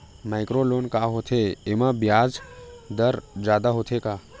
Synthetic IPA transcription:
maɪkɾoloːnkaːɦot̪ʰeemãbjaːd͡ʒd̪əɾd͡ʒjaːd̪aɦot̪ʰekaː

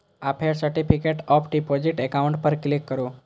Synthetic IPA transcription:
apʰeɾsəɾʈifikeʈɔpʰɖipɔd͡ʑiʈekauɳʈ̚pəɾklikːəɾu

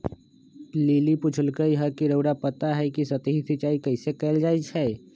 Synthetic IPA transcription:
liːlipʊt͡ʃʰəlkəiɦɐɾkiɾəʊɽapət̪aɦɛkisət̪iɦit̪it͡ʃaːikəɪsekɛːld͡ʒaːit͡ʃʰɛː

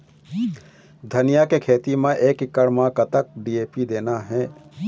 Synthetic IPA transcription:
d̪ʱənijakekʰeːt̪imẽʔeːkɪkːəɽmãkət̪ək̚ɖiːeːpid̪eːnaɦɛː

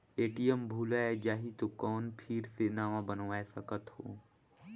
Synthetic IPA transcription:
eːʈijəmbʱuːlaːed͡ʒaːɦit̪okɔːnpʰɪɾsenaːʋãbənʋaːesɐkət̪ho̰ː

